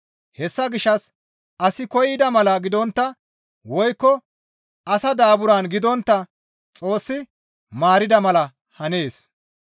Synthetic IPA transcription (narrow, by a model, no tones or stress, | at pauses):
hɛsːɐɡɪʃːɐs | ʔɐsɪkɔjɪd̪ɐmɐlɐɡɪd̪ɔnt̪ːɐ | wɔjkːɔ | ɐsɐd̪aːbʊɾanɡɪd̪ɔnt̪ːɐ | t͡sʼo̞ːsːɪ | maːɾɪd̪ɐmɐlɐ | hɐne̞ːs